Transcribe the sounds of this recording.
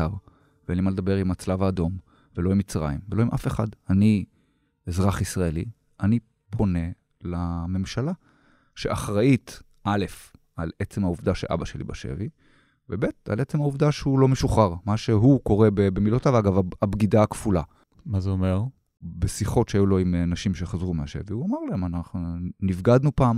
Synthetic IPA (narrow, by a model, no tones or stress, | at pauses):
aʁ | vnimaled̪abe̞ʁimat͡slavaːdo̞m | velo̞imːit͡sʁa̰imvelo̞imʔa̰feχadani | ezʁaχisʁaeli | ani | pʰo̞ne̞ | lame̞mʃala | ʃeʔaχʁait | ʔale̞f | alet͡se̞mauvdaʃelʔa̰baʃe̞lḭba̰ʃḛvi | vebe̞t̚a̰lʔe̞t͡semauvd̪aʃehulo̞meʃuχaʁmaʃe̞ɦuko̞ʁebebemilotavaɡavaabɡid̪aːkfula | mazeome̞ʁ | besiχo̞tʃeajulo̞imnaʃimʃe̞χazʁumeaʃe̞̰viuamaʁlae̞manaχnunivɡad̪nupaːm